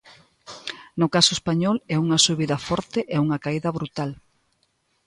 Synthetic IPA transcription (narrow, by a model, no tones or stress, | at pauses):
nʊkasʊespaɲɔlɛuŋɐsuβiðɐfɔɾt̪eʔɛuŋɐkaiðɐβɾut̪al